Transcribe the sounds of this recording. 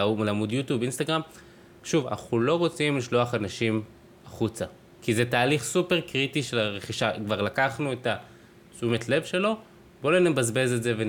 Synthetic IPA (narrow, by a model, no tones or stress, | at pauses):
laːmudjutjubinstaɡʁam | ʃuva̰naχulo̞ʁo̞t͡simliʃlo̞aχanaʃim | aχut͡sa | kizetaːliχsupeʁkʁitiʃelaʁeχiʃakvaʁlakaχnueta | t͡sumetle̞vʃe̞lo̞ | bolenebazbe̞zezeve